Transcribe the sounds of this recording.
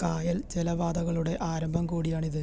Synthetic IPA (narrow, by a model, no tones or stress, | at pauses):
kaːjɐlt͡ɕelɐʋaːd̪ɐɣɐɭuɽe̞ʔaːɾɐmbʱɐmkuːɽijaːɳiðɨ